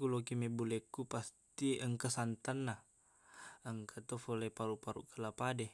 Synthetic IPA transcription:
kulokimebulɛkupastt̪iʔəŋkəsant̪anːa | əŋkʰat̪ofolepaɾupaɾṵʔkəlapade

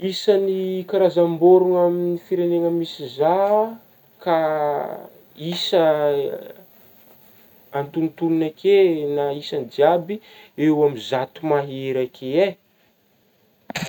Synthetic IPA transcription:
isənikaɾazamboɾuŋaminifiɾeneŋəmisiza | ka | isə | nt̪unt̪ununakʰenaisand͡ʒiabi | ewamizat̪umaɦeɾakʰee

